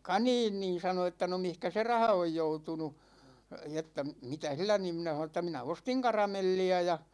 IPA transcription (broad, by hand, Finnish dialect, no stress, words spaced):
kɑniːn niːn̞ sɑno etːæ no mihkæ se rɑhɑ oj joutunu etːæ mitæ silːæ niːm minæ h̆ɑnon etːæ minæ ostiŋ kɑrɑmelːiæ jɑ